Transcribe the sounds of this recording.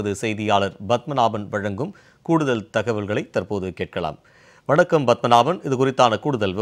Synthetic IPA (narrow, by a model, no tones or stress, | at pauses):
ɐðɯsɛjðɪjaːɭɐɾbɐt̪̚mɐnaːbɐnʋɐɻɐŋɡɯm | kuːɽɯðɐlt̪ɐɣɐʋɪlɣɐɭɐɪt̪ɐrpoːðɯkeːʈ̚kɐɭa̰ːm | ʋɐɳɐkːɐmbɐt̪̚mɐnaːbɐnɪðɯkʊrɪt̪ːaːnɐkuːɽɯðɐlʋɐ